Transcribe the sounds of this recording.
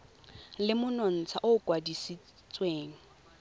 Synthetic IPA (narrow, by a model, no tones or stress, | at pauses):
lɪmʊnɔn̩t͡sʰaʔʊkʼwadisi | t͡sʼweːŋ̩